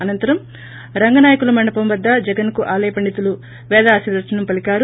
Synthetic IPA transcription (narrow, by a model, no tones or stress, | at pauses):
ɐnɐnt̪ɐɾɐm | ɾɐŋɡɐnaːjɐkulɐmɐɳɖɐpɐmʋɐd̪ːɐd͡ʒɛɡɐnkuʔaːlɐjɐpɐɳɖit̪ulu | ʋɛːd̪aːsid̪ɾɐʈɐnɐmpɐlikaːɾ